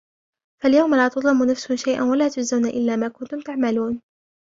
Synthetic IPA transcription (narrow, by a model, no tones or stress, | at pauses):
faljawmalaːt̪ʊd̪ˤlɪmːʊnafsʊhʊmʃajʔa̰nwalaːt̪ʊzawnaʔɪlːaːmaːkʊnt̪ʊmt̪aʕmaluːn